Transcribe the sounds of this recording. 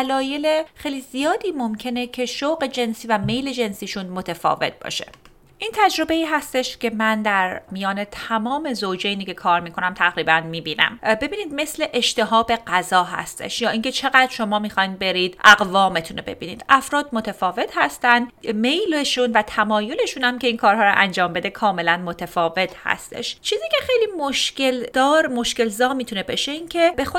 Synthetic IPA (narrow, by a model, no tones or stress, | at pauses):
lɒːje̞lexejliːzijɒːd̪iːmomcʰe̞ne̞cʰe̞ʃoɣe̞d͡ʒe̞nsiːvæme̞jle̞d͡ʒe̞nsiːʃunmot̪ʰefɒ̰ːve̞̰t̪̚ʰb̥ɒ̰ːʃe̞̥̰ | ʔiːnt̪ʰæd͡ʒɾo̞be̞iːɦæst̪e̞ʃce̞mænd̪æɾmijɒːne̞t̪ʰæmɒːme̞zowd͡ʒejniːcʰe̞kʰɒːɾmiːkʰo̞næmt̪ʰæɣɾiːbænmiːbiːnæ̰mbe̞biːniːd̪me̞sle̞ʔeʃt̪e̞ɦɒːbe̞ɢæzɒːɦæ̰st̪ʰḛʃjɒːʔiːŋcʰe̞t͡ʃʰe̞ɣæd̪ɾʃo̞mɒːmiːxɒjnbe̞ɾiːd̪̥ʔæɣvɒːmet̪ʰunebe̞̰bḭːniːd̪̥ʔæfɾɒːd̪mot̪ʰefɒːve̞t̪hæst̪ænd̪me̞jleʃuːnvæt̪ʰæmɒːjo̞le̞ʃuːnæmcʲʰe̞iːnkʰɒːɾɦɒːɾo̰ʔænd͡ʒɒːmbe̞d̪e̞kʰɒːme̞lænmot̪ʰefɒːve̞t̪ʰhæ̰st̪ʰe̞̰ʃt͡ʃʰiːziːcʲʰe̞xe̞jliːmoʃce̞ld̪ɒːɾmo̞ʃce̞lzɒːmiːt̪ʰune̞be̞ʃe̞incʰe̞be̞xo